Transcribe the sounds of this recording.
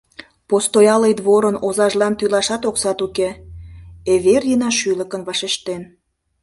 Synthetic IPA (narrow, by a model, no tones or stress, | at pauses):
post̪ojɑlejd̪βoɾənozɑʒlɑnt̪ylɑʃɑt̪oksɑt̪uke | eβerjənɑʃylə̆kə̆nβɑʃeʃt̪en